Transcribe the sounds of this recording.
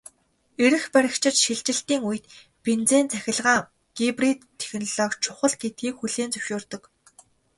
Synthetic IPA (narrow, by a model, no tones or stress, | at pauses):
eɾɘ̆xpæɾʲɪ̆kt͡ɕʰɪ̆t͡ɕʃiɮt͡ɕɪ̆ɬt̪iːŋujɘ̆t̪ | pent͡seːnt͡sʰæxʲɪ̆ɮʁaːŋ | ɡ̥iprit̪ʰːe̥xʲɘ̆nɮɔːkt͡ɕʰʊχə̆ɮɡet̪̚ɡiːkxuɮeːnt͡sɵ̥wʃoːrt̪ɞ̆k